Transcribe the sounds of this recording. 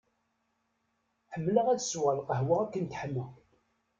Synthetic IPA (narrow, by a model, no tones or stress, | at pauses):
ħəmːləʁæðswəlqəɦwaʁækːənt̪ħəmːə